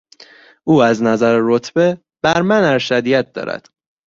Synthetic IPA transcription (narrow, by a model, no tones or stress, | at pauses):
ʔuːæznæzæɾeɾot̪ʰb̥e | b̥æɾmænæɾʃæd̪ijæt̪̚d̪ɒ̰ːɾæ̰d̪̥